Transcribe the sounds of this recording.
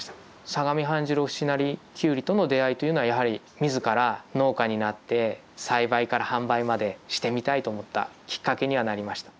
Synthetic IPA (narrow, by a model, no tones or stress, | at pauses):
saɡamʲiɦãɲ̟d͡ʑɨɾoɸɯ̥ɕinaɾʲikʲɨːɾʲit̪o̞no̞d̪e̞ait̪o̞jiɯ̟noajaɦaɾʲi | mʲizɨkaɾano̞ːkaɲ̟inat̪ːe̞ | saibaikaɾahãmbaimad̪e̞ɕi̥t̪e̞mʲit̪ait̪o̞ːmo̞t̪ːa̰kʲi̥kːake̞ɲ̟iβanaɾʲimaɕi̥t̪ḁ